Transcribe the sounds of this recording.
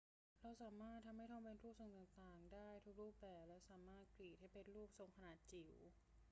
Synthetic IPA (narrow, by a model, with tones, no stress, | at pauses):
ɾa˧˥wsaː˩˦maː˥˩t̪ʰːa˧mha˥˩jt̪ʰɔ˧˥˧mpe˧nɾuː˥˩p̚so˨˩ŋt̪aː˨˩ŋt̪aː˨˩ŋdaː˥˩jt̪ʰu˦˥k̚ɾuː˥˩p̚bɛː˨˩p̚lɛː˦˥wsaː˩˦maː˥˩t̪̚kliː˨˩t̪̚ha˥˩jpe˧nɾuː˥˩p̚so˨˩˦ŋkʰa˧naː˨˩t̪̚t͡ɕi˨˩w